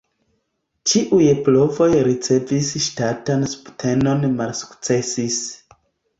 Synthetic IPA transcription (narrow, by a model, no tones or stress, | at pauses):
t͡ʃiʔujplo̞vo̞jɾit͡se̞visʃtatansu̥ptʰe̞no̞nmalsu̥kt͡se̞sis